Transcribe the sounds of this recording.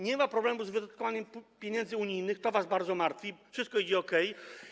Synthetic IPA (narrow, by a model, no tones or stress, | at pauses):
ɲɛmapɾɔblɛmuzvɘd̪at̪̚kɔvaɲɛmpʲjeɲɛnd̪zɘuɲijnɘxt̪ɔvazbaɾd̪zɔmaɾt̪fʲifʂɘst̪kɔid͡ʑɛɔkɛj